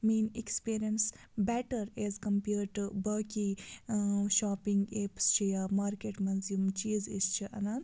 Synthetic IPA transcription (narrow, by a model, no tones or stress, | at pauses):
miːnikspiːɾijɐns | bɛʈɐɾezkɐmpiːɾʈbɐki | ʃaːpiŋɡepst͡ʃʰijamaːɾkeʈmɐnzjumt͡ʃiːzḭst͡ʃʰiʔɐnan